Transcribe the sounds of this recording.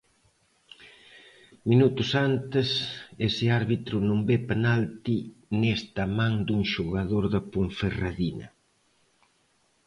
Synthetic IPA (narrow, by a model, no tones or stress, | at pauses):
minut̪ʊsant̪ɪsesɪaɾβit̪ɾʊnũmbepenalt̪inest̪ɐmãŋd̪uŋʃoɣaðoɾðɐpuɱferaðinɐ̰